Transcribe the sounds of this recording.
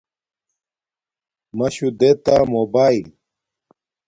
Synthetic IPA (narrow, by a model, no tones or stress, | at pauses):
mɐɕud̪et̪amoːbaːil